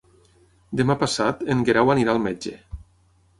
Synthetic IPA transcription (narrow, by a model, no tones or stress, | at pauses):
d̪emapasat̪eŋɡeɾawaniɾalˠmed͡ʒḛ